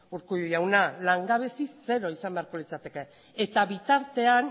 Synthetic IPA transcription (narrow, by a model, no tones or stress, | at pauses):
uɾkuujawnalaŋɡaβe̞sise̞ɾo̞isambe̞aɾko̞lit͡sat̪e̞ke̞ː | t̪aβit̪aɾt̪e̞an